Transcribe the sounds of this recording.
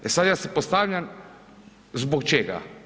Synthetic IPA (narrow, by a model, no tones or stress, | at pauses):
ɛnsad̪jasɛpɔst̪aːwlʲjʲan | zbɔkt͡ʃeːɡa̰